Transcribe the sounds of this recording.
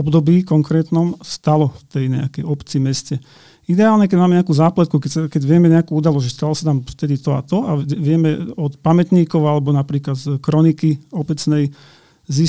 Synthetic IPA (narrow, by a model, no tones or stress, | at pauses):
ɔbd̪ɔbiːkɔŋkɾɛːt̪nɔmst̪alɔft̪ɛjɲɛ̰akɛjɔpt͡simɛscɛ | id̪ɛaːlɲɛkɛɟmaːmɛɲɛakuːzaːplat̪̚kukɛsakɛɟʋɪɛmɛɲɛakuːud̪alɔzʒɛst̪alɔsat̪amft̪ɛd̪it̪ɔa̰t̪ɔʔaɛʋɪɛmɛɔt̪pamɛt̪ɲiːkɔʊalɛbɔnapɾiːklat̪kɾɔnikiɔbɛt͡snɛj | zi